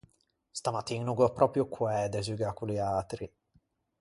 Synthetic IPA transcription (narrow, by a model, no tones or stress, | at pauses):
st̪amat̪iŋnuɡopɾʔɔpɾjokʰwɛːd̪ɛzyɡakuliat̪ɾi